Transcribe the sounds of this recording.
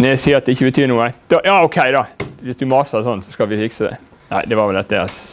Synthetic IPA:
nɛæsiːəɾɑt̪̚d̪ɛɪçːəbət̪ʰyːɾnuːəd̪̥ɔjɑːɔkʰæɪd̪ɑʋɪsd̪ʉmɑsɑsɔnːsɔskɑlʋɪfɪksəd̪ɛ̰ | næ̰ɪd̪ɛʋɑɾʋɛlɛt̪d̪ɛɑ̰s

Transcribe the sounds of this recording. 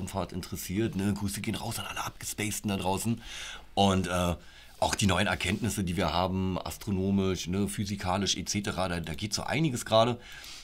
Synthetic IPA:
m̩faːɐtɪ̰ntəʁəsiːɐtnəɡʁyːsəɡeːənʁa̰ʊsanʔa̰ləʔap̚ɡ̥əspɛɪstn̩dadʁaʊsn̩ʔʊntʔɛː | ʔaʊxd̥iːnɔʏənɛɐkʰɛntnɪsədiːviːɐhaːbm̩ʔa̰stʁ̥onoːmɪʃnəfyzikʰaːlɪʃʔḛt͡seːtəʁaːdaːdaːɡeːtz̥o̰ːʔa̰ɪnɪɡəsɡ̥ʁaːɾə

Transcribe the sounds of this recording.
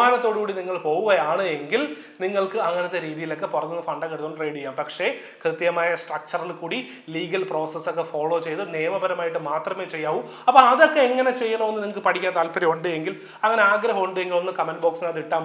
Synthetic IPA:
aːnɐt̪ːo̞ːɽɨkuːɽiniŋːɐɭpo̞ːɣuɣɐjaːɳɨeŋɡil | niŋːɐɭkɨɐŋːɐnɐt̪ːe̞ɾiːðijilo̞kːe̞purɐnːunːɐfɐɳɖɐkːeɽut̪ːuɳɖreːɽijːaːmpɐkʂe̞ | krɨt̪jɐmaːjɐsʈrɐk̚t͡ɕɐrilkuːɽi | liːɡɐlpro̞ːsɐsokːe̞fo̞ːɭo̞ːt͡ɕe̞jt̪ɨneːmɐbɐɾɐmaːjiʈːɨmaːt̪rɐme̞ːt͡ɕe̞jːaːʋum | ɐpːoɐðo̞kːe̞ːŋːɐne̞t͡ɕe̞jːɐnoonːɨniŋːɐɭkɨpɐʈʰikʲːant̪aːlpɐɾiuɳɖɨe̞ŋɡil | ɐŋːɐne̞aːɡɾɐɦɐmuɳɖɨe̞ŋɡilo̞nːɨkɐmɐnboːksinaðiʈːaːm

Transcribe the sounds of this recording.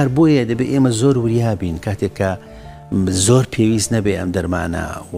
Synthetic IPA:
ɐɾboːjɐd̪ɐbeʔeːmɐzoːɾwɨɾjaːbiːnkʰaːt̪ʰekʰːɐ | zoːɾpʰeːwisnɐbeʔɐ̰md̪ɐɾma̰ːnɐ̰

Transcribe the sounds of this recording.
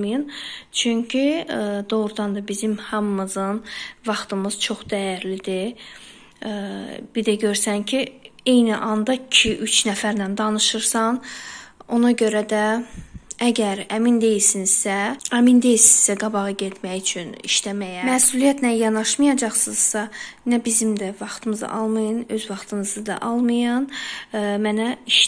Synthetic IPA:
mɯjɯnt͡ʃʰyɲcʰid̪o̞ʁɾud̪ɑnd̪ɑbizimhɑmːɯzɯnvɑχt̪ɯmɯz̥t͡ʃʰo̞χd̪æjæɾlid̪i | b̥id̪æɟøɾsæncʰiejniʔɑnd̪ɑcʰiʔyt͡ʃʰnæfæɾnænd̪ɑnɯʃɯɾsɑn | o̞nɑɟø̞ɾæd̪æ | æɟæɾæmind̪e̞jilsinz̥sææmind̪e̞jilsiz̥sæɡɑbɑʁɯɟet̪ʰmæjyt͡ʃʰynḭʃt̪æmæjæmæːsulijæt̪næjɑnɑʃmɯjɑd͡ʒɑχsɯz̥sɑnæbizimd̪ævɑχt̪ʰɯmɯzɯ̰ʔɑlˠmɯjɯnø̞zvɑχt̪ʰɯmɯzɯd̪ɑ̰ʔɑlˠmɯjɑn | mænæiʃ

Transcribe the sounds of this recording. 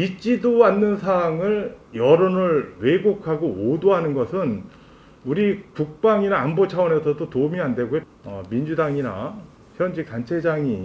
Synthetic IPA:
it͡ɕ͈idoanːɯnsʰaːŋɯɭjʌɾonɯɭwe̞ɡokʰaɡoodoɦanɯnɡʌsʰɯn | uɾikuk̚p͈aŋinaːnbot͡ɕʰawʌne̞sʰʌdotoumiande̞ɡo | ʌmind͡ʑudaŋina̰ | çjʌnd͡ʑik̚tant͡ɕʰe̞d͡ʑaŋi

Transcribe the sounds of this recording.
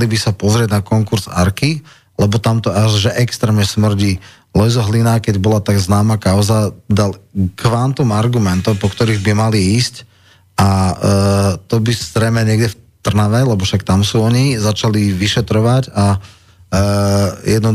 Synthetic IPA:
libisapɔzɾɪɛɟnakɔŋkuɾz̥a̰ɾki | lɛbɔt̪amt̪ɔaʒʒɛʔɛkst̪ɾɛːmɲɛsmr̩ɟiː | lɔjzɔɦlinakɛɟbɔlat̪aɡznaːmakaʊzad̪alkʋant̪umaɾɡumɛnt̪ɔpɔkt̪ɔɾiːɣbimaliiːsc | ʔa | t̪ɔbizɾɛɪmɛɲɪɛɡɟɛft̪r̩naʋɛlɛbɔʃakt̪amsuːɔɲizat͡ʃaliʋiʃɛt̪ɾɔʋaɟa | jɛd̪nɔ

